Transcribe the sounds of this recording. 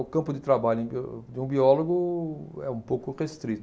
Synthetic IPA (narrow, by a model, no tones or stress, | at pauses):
ʊkɐ̃mpʊd̪ɪt̪ɾabaʎʊẽj̃bid̪ɪũbiɔloɡʊɛũpowkʊʁest̪ɾit̪